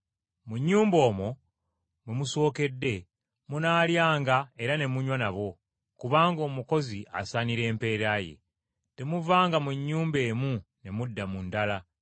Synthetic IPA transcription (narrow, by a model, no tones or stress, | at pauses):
muɲːuːmbo̞ːmo̞ | mwemuso̞ːke̞dːe̞ | munaːljaːŋɡae̞ɾane̞muɲwanaβo̞ | kuβaːŋɡo̞ːmuko̞ziʔa̰saniɾe̞ːmpe̞ːɾaje̞̰ | te̞muvaːŋɡamuɲːuːmbe̞ːmune̞mudːamundala